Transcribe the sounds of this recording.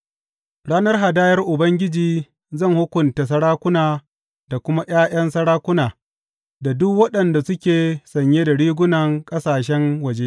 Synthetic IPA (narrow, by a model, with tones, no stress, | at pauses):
ɽaː˦nɐ˦rɦa˨daː˦jɐ˦rʔʊ˨bɐ˦ŋɡʲɪ˦d͡ʒiː˨ | zɐ˦˨ŋhʊ˦kʷʊ˨nta˨s̬ɐ˦ɽaː˦kʷʊ˦naː˨ | da˨kʷʊ˦ma˦ʔj̰aː˦j̰ɐ˦nsɐ˦ɽaː˦kʷʊ˦naː˨ | da˨dʊ˦kwɐ˦ɗɐ˨nda˨sʊ˦kʲeː˨sɐ˨ɲjeː˦da˨ɽiː˦ɡʷʊ˦nɐ˨ŋkʼɐ˦saː˨ʃɛ˦ŋwɐ˨d͡ʒe˦